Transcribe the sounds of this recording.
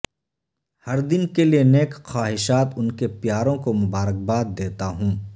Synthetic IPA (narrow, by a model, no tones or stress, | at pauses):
hɐɾd̪ɪnkelieneːkxaːɦɪʃaːt̪ʊnkepjaːɾõkomʊbaːɾək̚baːt̪̚d̪eːt̪aɦũː